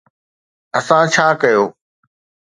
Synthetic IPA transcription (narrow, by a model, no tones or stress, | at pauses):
ɐsãt͡ɕʰaːkɐjoː